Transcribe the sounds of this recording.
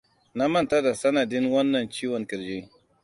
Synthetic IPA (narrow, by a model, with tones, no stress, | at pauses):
na˦mɐ˦nta˦da˨sɐ˦nɐ˨dɪ˦nwɐ˦nːɐ˨nt͡ʃiː˦wɔ˨ŋkɪ˨ɾd͡ʒeː˦